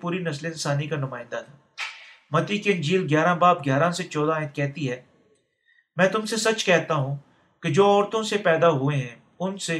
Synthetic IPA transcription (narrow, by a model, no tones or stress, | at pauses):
puːɾinəsleɪ̃nsaːnikanʊmaːɪ̃nd̪at̪ʰaː | mɐt̪iːkɪnd͡ʒiːlɡjaːɾãːbaːp̚ɡjaːɾãːset͡ʃɔːd̪ãːɪt̪̚kɛɦt̪iɦɛː | mɛ̃ːt̪ʊmsesɐt͡ʃkɛɦt̪aːɦũː | ked͡ʒoːɔːɾt̪õsepɛːd̪aːɦʊeɦɛ̃ː | ʊnse